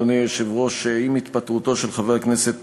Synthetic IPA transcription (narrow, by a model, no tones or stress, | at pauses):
onieʃevʁoʃeimit̪pat̪ʁut̪o̞ʃelχaveʁkneset̪